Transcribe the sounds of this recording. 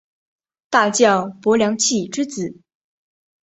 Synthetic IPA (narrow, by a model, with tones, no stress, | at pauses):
t̪a˥˧t͡ɕjɑ˥˩ʊpwɔ˧˥ljɑ˧˥ŋt͡ɕʰi˥˩˨ʈ͡ʂɻ̩˥t͡sɹ̩˨˩˦